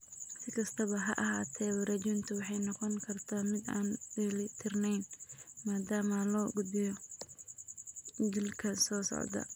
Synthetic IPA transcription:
sɪkʰɐst̪ʰɐβɐɦɐ̰ʔɐɦaːt̪ʰɛwɐɾɐd͡ʒʊnt̪ʰʊwɑħɑjnɔqɔŋkʰɐrt̪ʰamɪd̪a̰ːnɪlɪt̪ʰɪrnɛjnmaːd̪aːmɐlɔːɡʊd̪bɪjɔ | ɡɪlkʰɐsɔːsɔ̰ʕd̪ɐ̰

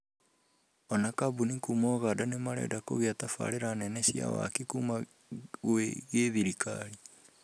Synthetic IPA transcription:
ɔnakabunikumɔɣaːdanemaɾɛ̰dako̰ɣeatafa̰ɾeɾanɛnɛɕja̰wa̰kikuma | ɣweɣeðiɾika̰ɾi

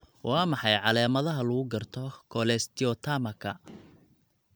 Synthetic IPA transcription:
wʔɑːmɑħɑjʕɑlɛːmɐðɐɦɐlʊɣʊɡɐrt̪ʰɔkʰɔlɛst̪ʰɪɔt̪ʰamɐkʰɐ̰

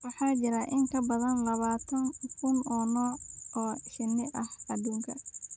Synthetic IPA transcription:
wɑħɑːt͡ʃɪɾɐʔɪŋkʰɐbɐðɐnlɐβaːt̪ʰɐŋkʰʊnɔːnɔːɔːʃɐnːɪʔɐhɐd̪uːŋkʰɐ

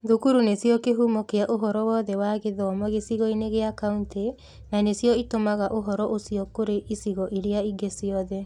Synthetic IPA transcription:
ðukuɾunesjɔkeɦumɔkeaʔoɦɔɾɔwɔðɛwaɣeðɔːmɔɣesiɣɔineɣeakaunte | nanesjɔitomaɣaʔoɦɔɾɔʔosjɔkoɾeʔisiɣɔʔiɾeaiɡesiɔðɛ

